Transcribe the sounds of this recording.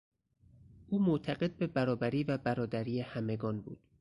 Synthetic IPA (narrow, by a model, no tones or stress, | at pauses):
ʔuːmot̪ʰæɢe̞d̪̚be̞bæɾɒːbæɾiːvæbæɾɒːd̪æɾiːjehæme̞ɡɒːnbṵːd̪̥